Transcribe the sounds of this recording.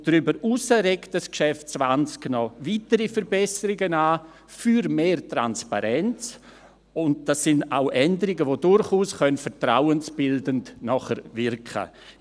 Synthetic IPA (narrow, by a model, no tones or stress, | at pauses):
d̥ɾʏbəɾuːsəɾektdaskʃɛft̚t͡svant͡sknɔvitəɾifəɾbɛsəɾɪɡənaː | fyɾmeːrtɾanspa̰ɾɛnt͡s | ʊnt̚d̥asːɪna̰ʊʔɛndəɾɪɡəvoːdʊɾχuːsχœnfəɾtɾawənsb̥ɪldəntnɔχəɾvɪrkʰə̰